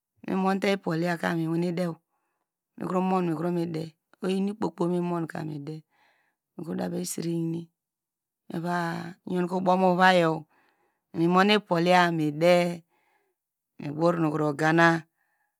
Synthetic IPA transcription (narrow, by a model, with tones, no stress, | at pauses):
mḭ˦mo˦n˦te˦i˦po˨li˦a˦ka̰˨mi˨we˨˦ni˦de˦w | mḭ˨ku˦ɾo˦mo˦n˨mi˨ku˦ɾo˦mi˨de˦ | o˦ji˦ni˦k͡po˨k͡po˦mi˦mo˦n˨ka̰˨mḭ˨de˦ | mi˨kɾo˦da˨be˨˦i˦si˨ɾi˦ni˦ | mʔḛ˨βa˦ɲo˦n˦ko˦bo˦mo˦βa˦jo˨ | mi˨mo˦ni˦po˨li˦a˦˨mi˨de˦˨ | mḭ˨bo˦ɾno˨ku˨ɾo˨ɡa˨na˦